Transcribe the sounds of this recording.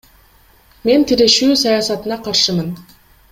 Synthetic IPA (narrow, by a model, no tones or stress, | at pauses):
me̞nt̪ʰiɾe̞ʃyːsɑjɑsɑt̪ɯnɑqʰɑɾʃɯmɯn